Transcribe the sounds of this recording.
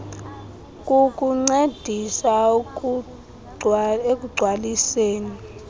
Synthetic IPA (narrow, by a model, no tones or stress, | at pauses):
kʼukʼuŋ͡ǀed̥ʱisa | ek̬ʼuɡ͡ǀʱwaliseːni